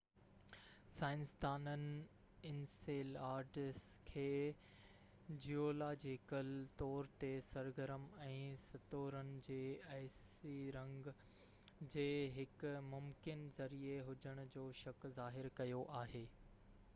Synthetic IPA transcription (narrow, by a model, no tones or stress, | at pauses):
saːɪ̃nsd̪aːnənɪ̆ | ɪnseːlaːɾʈɪskʰeː | d͡ʑioːlad͡ʑeːkəlt̪ɔːɾt̪esɐɾɡəɾəmɛ̃ːsɐt̪oːɾənɪ̆d͡ʑeːɐɦsiɾɐ̃ŋɡ | d͡ʑeːɦɪkmʊmkɪnzɐɾieɦʊd͡ʑəɽ̃ʊd͡ʑoːʃɐkzaːɦɪɾkɐjoʔaːɦeː